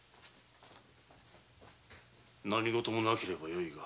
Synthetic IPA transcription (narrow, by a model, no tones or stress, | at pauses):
naɲiɡot̪omonakʰiɾebajoiɡa